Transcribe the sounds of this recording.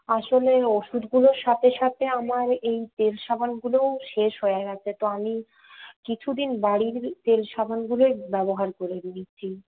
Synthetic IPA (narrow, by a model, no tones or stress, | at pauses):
aʃoleoʃud̪ɡuloɾʃat̪ʰeʃat̪ʰeamaɾejt̪elʃabʱanɡulowʃeʃɦoeeɡat͡ɕʰet̪oami | kit͡ɕʰud̪inbaɽiɾt̪elʃabʱanɡulobɛboɦaɾkoɾebnit͡ɕt͡ɕʰi